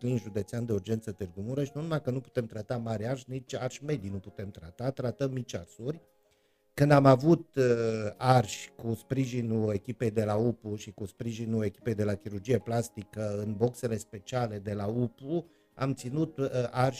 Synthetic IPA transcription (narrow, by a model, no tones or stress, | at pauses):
linʒud̪e̞t̪seand̪e̞urd͡ʒe̞nt̪sət̪ɨrɡumuɾəʃnunumajkənupu̥t̪e̞mt̪ɾat̪amaɾʲarʃʲnit͡ʃʲarʃʲme̞d̪ijnuput̪e̞mt̪ɾat̪at̪ɾat̪əmːit͡ʃarsurʲ | kɨnd̪amavut̪ | arʃʲkuspɾiʒinue̞kʲipe̞jd̪e̞laupuʃikuspɾiʒinule̞kʲi̥pe̞jd̪e̞lakʲiɾurd͡ʒije̞plast̪ikəɨnbo̞kse̞le̞spe̞t͡ʃiale̞d̪e̞laupu | a̰mt̪sinut̪arʃ